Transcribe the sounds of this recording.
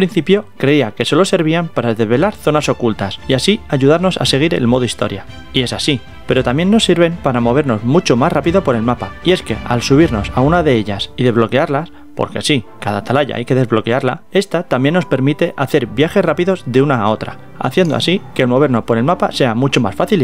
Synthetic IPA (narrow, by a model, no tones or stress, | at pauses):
pɾin̟θipjo̞kɾe̞iake̞so̞lo̞se̞ɾβ̞iampaɾaðe̞zβe̞laɾθo̞naso̞kult̪asiasiaʝuð̞aɾno̞sa̰se̞ɣ̞iɾe̞̰lmo̞ðoist̪o̞̰ɾja | ie̞sasi | pe̞ɾo̞t̪amje̞nːo̞sːiɾβe̞mpaɾamo̞βe̞ɾno̞zmut͡ʃo̞masrapiðo̞po̞ɾe̞lmapaie̞ske̞̰alsuβ̞iɾno̞saunaðe̞eʎasiðe̞zβlo̞ke̞aɾlas | po̞̰ɾkesikaðat̪alaʝa̰ʔa̰jke̞ðe̞zβlo̞ke̞aɾlae̞st̪at̪amje̞nːo̞spe̞ɾmit̪e̞ʔaθe̞ɾbjaxe̞srapiðo̞zðe̞unaːo̞t̪ɾa̰ | a̰θje̞nd̪o̰a̰sike̞ːlmo̞β̞e̞ɾnopo̞ɾe̞lmapase̞amut͡ʃo̞ma̰sfaθil